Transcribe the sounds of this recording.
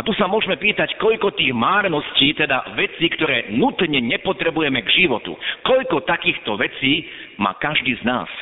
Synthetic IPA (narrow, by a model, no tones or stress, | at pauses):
at̪usamʊɔʒmɛpiːt̪ackɔʎkɔt̪iːɣmaːɾnɔsciːt̪ɛd̪a̰ʋɛt͡siːkt̪ɔɾɛːnut̪ɲɛɲɛpɔt̪ɾɛbujɛmɛɡʒiʋɔt̪ṵkɔʎkɔt̪akiːxt̪ɔʋɛt͡siː | ma̰ːkaʒd̪iːzna̰ːs